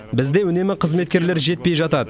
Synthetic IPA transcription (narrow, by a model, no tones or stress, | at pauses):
bɪzd̪e̞wʏne̞mɪqʰəzme̞t̪̚kʲe̞ɾle̞ɾʒe̞t̪̚pe̞jʒɑt̪ɑd̪ə